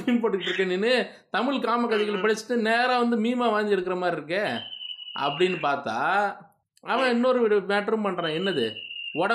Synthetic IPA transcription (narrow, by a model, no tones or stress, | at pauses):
mpoːʈːɯkːɪʈːɾɯkːɐninːɯ | t̪ɐmɪɭkaːmɐkːɐðɐɪɣɐɭpɐɽɪt͡ʃːɯ̥ʈːɯneːɾãːʋɐnd̪ɯmiːmaːʋaːɲd͡ʒɪɽɯkːɾɐmaːd̪ɾɪɾɯkːeːʔɐ̰pːɐɽɪnːɯpaːɾt̪a̰ː | ɐʋãːɪnːoɾɯɽɯmeːʈːɾɯmpɐɳːɾãːɛnːɐðɯɔɽɐ